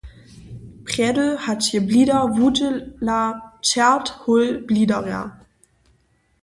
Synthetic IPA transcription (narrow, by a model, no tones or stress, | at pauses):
pʁ̥ɛdl̩hathiːɐbliːdɐvudəlat͡sɛɐthʊlb̥liːdɐʁɛ̰ɐ